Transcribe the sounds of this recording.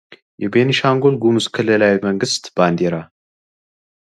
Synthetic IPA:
jɛbeniʃaŋɡolɡumɨskʰɨlːɨlawməŋɡɨst̪b̥and̪eɾa

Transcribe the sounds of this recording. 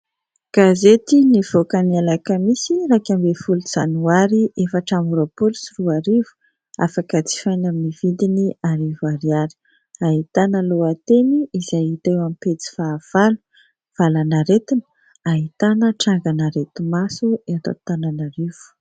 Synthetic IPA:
ɡ̥azet̪iniv̥okənialakəmisirakʲambefuluz̥anuaɾiefaʈ͡ʂamoɾopulisiruaɾivu̥ | afakət͡si̥fajnaminivind̪iniaɾivaɾiaɾi̥ | aɦit̪anəloat̪eniizajit̪ewampet͡si̥faːv̥alu̥ | v̥alanaɾet̪inə̥ | aɦit̪anəʈ͡ʂaŋɡanaɾet̪umasuet̪o̰t̪ananaɾiv̥u̥

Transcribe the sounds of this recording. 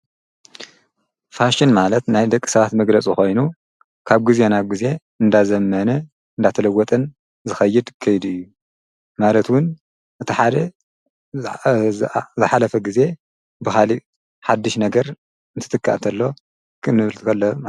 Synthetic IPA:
faʃɪnmalɐt̪najd̪ɐkʼːi̥sɐβat̪mɐɡlɐt͡sʼixo̞jnu | kʰaβɡize̞naβɡize̞ | ɨnd̪azɐmːɐnɐ | ɨnd̪at̪ʰɐlɐwːɔt̪ʼɨn | zɨxɐjːɪd̪kʰɐjd̪ɨjːu | malɐt̪wʊn | ʔɨt̪ʰiħad̪e | zɨħalɐfɐɡize̞ | bɨxali | ħad̪ːɨʃnɐɡɐɾ | ɨnt̪ʰɨt̪ʰɨkːa̰ʔt̪ʰɐlːo̞ | kʰɨnːɨβɨlt̪ʰkʰɐlːom

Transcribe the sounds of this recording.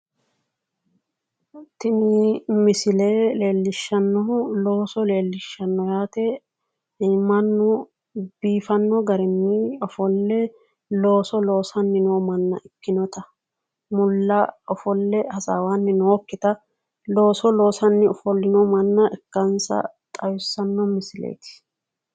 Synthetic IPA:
t̪ɪnimɪsɪleːle̞ːlːɪʃːɐnːɔlo̞ːsɔle̞ːlːɪʃːɐnːɔjaːt̪ɛ | imːɐnːɔ | b̥iːfɐnːɔɡɐɾɛmːiɔfɔlːɛ | lo̞ːsɔlo̞ːsɐnːɪnoːmɐnːɐ̰ʔɪkːɪnɔt̪ɐ | mʊlːɐɔfɔlːɛhɐsawaːnːɪnoːkːɪt̪ɐ | lo̞ːsɔlo̞ːsɐnːɪɔfɔlːɪnɔmɐnːɐʔɛkːɐnsɐ̰t̪ʼɐjʊsːɐnːɔmɪsɪlḛːjt̪ɪ̥

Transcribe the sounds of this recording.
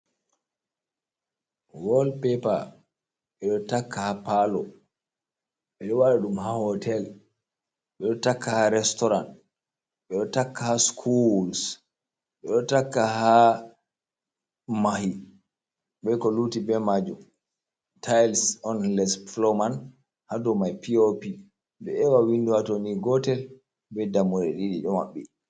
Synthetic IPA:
wɔlpɛpa̰ | ɓɛɗɔtakːahapalɔ | ɓɛɗɔwaɗaɗumɦahɔtʰɛl | ɓɛɗɔtakːahaɾɛstɔɾan | ɓɛɗɔtakːahaskʰuls | ɓɛɗɔtakːaha | mahi | ɓɛkɔlutibɛmad͡ʒum | tʰajlsɔnlɛsflɔman | hadɔmajpiopi | dɛɛwawinduhatoniɡɔtɛl | bɛdamɔɾɛ̰ɗiɗḭɗɔma̰ɓːi

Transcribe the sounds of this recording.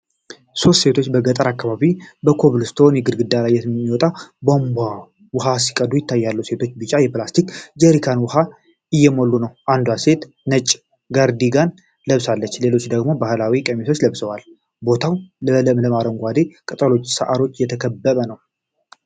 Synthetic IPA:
so̞st̪se̞t̪ʰo̞t͡ʃːbəɡət̪ʼəɾakːaβaβibəkʰo̞βlɨst̪ʰonjɛɡɨd̪ɡɨd̪alajːɛmːiwɔt̪ʼabamba | wʊɦasi̥kʼəd̪ujɪt̪ːajːalːəwse̞t̪ʰo̞t͡ʃːbɨt͡ʃʼːajɛplast̪ʰikd͡ʒɛɾikʰanwʊha | ɨjːɛmolːunəwʔand̪wase̞t̪ | nət͡ʃʼː | ɡaɾd̪iɡan | ləβsalːət͡ʃːle̞lo̞t͡ʃːd̪əɡmo̞bahlawikʼemeso̞t͡ʃːləβsəwal | bo̞t̪ʰawlələmləmaɾəŋɡʷad̪ekʼɨt̪ʼəlo̞t͡ʃːsəʔaɾo̞t͡ʃːjɛt̪ʰəkʰəbːəβənəw

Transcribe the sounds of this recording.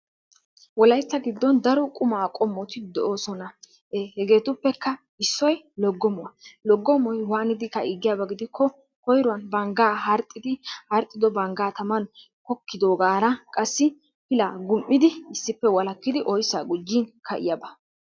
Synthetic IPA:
wɔlɐjt͡sːɐɡɪd̪ːɔnd̪ɐɾɔkʼʊmaːkʼɔmːɔt̪ɪd̪ɛʔoːsɔnɐ | ehɛɡe̞ːt̪ʊpːɛkːɐ | ɪsːɔj | lɔɡːɔmɔwɐlɔɡːɔmɔjwaːnɪd̪ɪkːɐiɡːɪjabɐɡɪd̪ɪkʰːɔ | kɔjɾʊwɐnbɐŋɡaːɦɐɾt̪ʼːɪd̪ɪhɐɾt̪ʼːɪd̪ɔbɐŋɡaːt̪ɐmɐn | kɔkːɪd̪oːɡaːɾɐkʼɐsːɪ | pɪlaːɡʊmʔːɪd̪ɪɪsːɪpːɛwɐlɐkːɪd̪ɪʔɔjsːaːɡʊd͡ʒːinkʰɐʔɪ̰jabɐ

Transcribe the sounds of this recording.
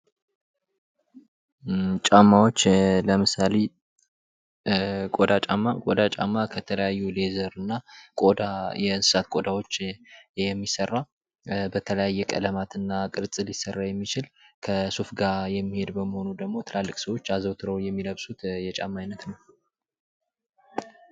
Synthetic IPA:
t͡ʃʼamːawot͡ʃːləmɨsale̞ | kʼod̪at͡ʃʼamːakʼod̪at͡ʃʼa̰mːakʰət̪ʰələjajːule̞zəɾɨnːakʼod̪ajɛɨnsɨ̥sat̪̚kʼo̞d̪awo̞t͡ʃːjɛmːisərːa | bət̪ʰələjajːɛkʼə̰ləmat̪ɨnːakʼɨɾt͡sʼɨlisːərːajɛmːit͡ʃɪlkʰəsufɡajɛmːihe̞d̪bəmːəho̞nud̪əɡmo̞t̪ʰɨlalːɨkʼsəwo̞t͡ʃːazəwt̪ʰɨɾəwjɛmːiləβsut̪jɛt͡ʃʼamːajnət̪nəw

